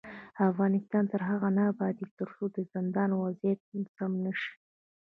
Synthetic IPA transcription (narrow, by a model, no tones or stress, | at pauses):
afɣɑnɪst̪ɑnt̪əɾɦaɣanabɑd̪et̪əɾsod̪əzɪnd̪ɑnwazjat̪̚nsɑmnəʃi̥